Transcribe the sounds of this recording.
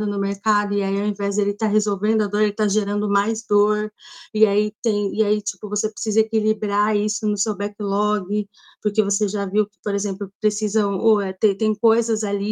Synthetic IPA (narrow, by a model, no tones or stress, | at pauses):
ʊnʊmeɾkad̪ʊiaiawẽvɛzd̪elɪt̪aɦezowvẽnd̪ʊɐd̪oɾelɪt̪aʒeɾɐ̃nd̪ʊmajzd̪oɾiait̪ẽj̃iait͡ʃi̥pʊvosepɾe̥sizɐekilibɾaisʊnʊsewbɛkɪlɔɡɪ | poɾkevoseʒaviwkɪ̥poɾezẽmplʊpɾesizɐ̃oɛt̪et̪ẽj̃kojzɐzali